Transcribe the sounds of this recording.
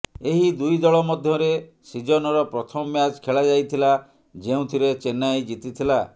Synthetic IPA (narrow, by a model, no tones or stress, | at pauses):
eɦid̪ujd̪ɔɭɔmɔd̪ʱjɔɾe | sid͡ʒɔnɔɾɔpɾɔt̪ʰɔmɔmjad͡ʒkʰeɭad͡ʒajt̪ʰila | d͡ʒeũt̪ʰiɾet͡ʃenajd͡ʒit̪it̪ʰila